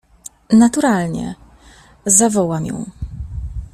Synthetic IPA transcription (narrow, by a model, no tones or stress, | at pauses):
nat̪uɾalɲɛ̰ | zavɔwamjɔ̰̃w̃